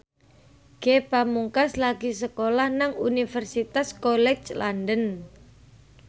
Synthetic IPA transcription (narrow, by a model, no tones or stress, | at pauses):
ɡ̥epamuŋkaslaɡisəkolahnaŋunifərsit̪askolɛt͡ʃlandən